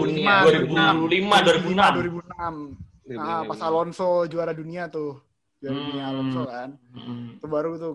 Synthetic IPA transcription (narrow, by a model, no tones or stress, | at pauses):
uniaduaɾibualimaduaɾibunaduaɾibunam | əpasalɔnsɔd͡ʒuaɾaduniat̪ʊh | d͡ʒuaɾadunialɔnsɔkant̪ubaɾut̪u